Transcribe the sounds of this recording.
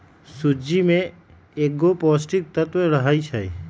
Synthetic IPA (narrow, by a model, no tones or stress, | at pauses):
sud͡ʒimẽ | eɡopɔsʈik̚t̪ət̪ʋeɾəɦait͡ʃʰaj